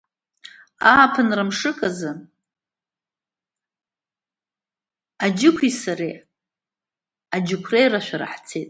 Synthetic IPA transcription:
aːpʰɨnrɨmʂɨkʼazɨ | ad͡ʒɪkʷʰisaɾe | ad͡ʒɪkʷʰrejraʃʷᶣaɾa̰ħt͡sʰetʼ

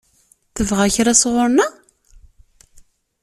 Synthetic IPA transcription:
θəvʁæçɾasʁʊɾna

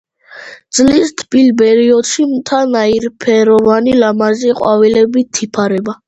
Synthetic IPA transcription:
d̪zlist̪ʰbilbɛɾiɔd̪̥ʃimt̪ʰanaiɾpʰɛɾɔvanilamaziqʼwavilɛbit̪ʰːipʰaɾɛba

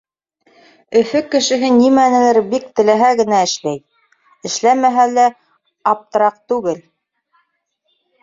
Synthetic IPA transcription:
ɵ̆fɵkɘ̆ʃɘ̆ɦɘnimænɘ̆lɘɾbik̚t̪ɘ̆læɦæɡɘ̆næɘ̆ʃlæj | ɘ̆ʃlæmæɦælæ | ɑp̚t̪ɤ̆ɾɑq̚t̪ʉɡɘl

